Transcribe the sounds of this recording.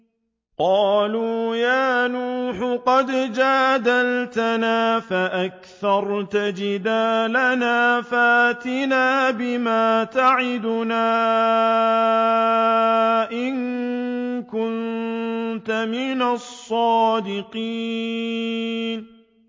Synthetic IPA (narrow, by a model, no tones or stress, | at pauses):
qɑːluːjaːnuːħqɑd̪d͡ʒaːd̪alt̪anaːfaʔakθɑɾˤt̪ad͡ʒɪd̪aːlanaːfaʔat̪ɪnaːbɪmaːt̪aʕɪd̪ʊnaː | ʔɪŋ | kʊn | t̪amɪnasˤːɑːd̪ɪqiː | n